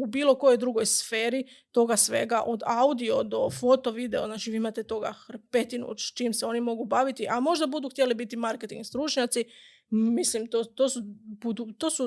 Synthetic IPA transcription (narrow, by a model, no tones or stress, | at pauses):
ubiːlo̞ko̞jo̞jd̪ɾuɡo̞jsfe̞ːɾi | t̪o̞ɡasʋe̞̰ɡaʔo̞d̪aud̪io̞d̪o̞fo̞t̪o̞ʋid̪e̞o̰znaːt͡ʃiʋiːimat̪e̞t̪o̞ɡa̰xɾpe̞t̪inṵt͡ʃt͡ʃimseo̞nimo̞ɡubaːʋit̪iʔamo̞ʒd̪abud̪uxt̪jelibit̪imaɾket̪iŋɡst̪ɾut͡ʃɲat̪si | mislimt̪ot̪osubud̪ut̪o̞ːsu